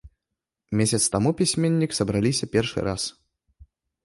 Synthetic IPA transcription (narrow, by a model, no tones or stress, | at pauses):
mʲesʲɐt̪st̪amupʲisʲmʲenʲːiksɐbɾalʲisʲɐpʲɛrʂɨ̰ɾas